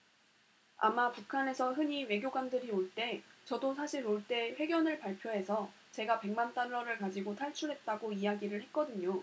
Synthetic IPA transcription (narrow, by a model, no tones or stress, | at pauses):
a̰mapukʰane̞sʰʌɦɯɲiwe̞ɡjoɡandɯɾioɭt͈e̞t͡ɕʌdos̬ʰaɕʰiɾoɭt͈e̞ɸwe̞ɡjʌnɯɭpaɭpʰjoɦe̞sʰʌ | t͡ɕe̞ɡape̞ŋmant͈anːʌɾɯɭkad͡ʑiɡotʰaɭt͡ɕʰuɭɦe̞t̚t͈aɡoiaɡiɾɯɭɦe̞t̚k͈ʌdɯɲo